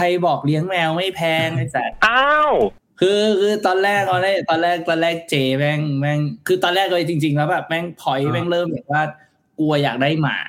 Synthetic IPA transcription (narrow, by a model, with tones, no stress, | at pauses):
kʰa˧jbɔː˨˩k̚li˦˥əŋmɛ˧wma˥˩jpʰɛː˧ŋa˧˩sa˨˩ʔa˧˥w | kʰɯː˧kʰɯː˧t̪ɔː˧nlɛː˥˩k̚ːɔː˧nlaː˥˩t̪ɔː˧nlɛː˥˩k̚t̪ɔː˧nlɛː˥˩k̚t͡ɕeː˧mɛː˦˥˩ŋmɛː˦˧˩ŋkʰɯː˧t̪ɔː˧nlɛː˥˩k̚lɤ˧t͡ɕi˧ŋt͡ɕi˧ŋɛ˧˦˥bɛ˨˩p̚mɛː˧˥˩ŋp̪ʰɔ˨˩˦jmɛː˥˩ŋlɤː˥˩mbɛː˨˩t̚waː˥˩ | ku˧ɐjaː˨˩k̚daː˥˩jma̰ː˩